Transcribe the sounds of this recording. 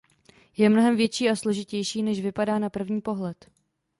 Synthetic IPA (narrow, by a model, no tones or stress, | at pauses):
jɛmno̞ɦɛmvjɛt͡ʃiːaslo̞ʒɪcɛjʃiːnɛʃvɪpadaːnapr̩vɲiːpo̞ɦlɛt̪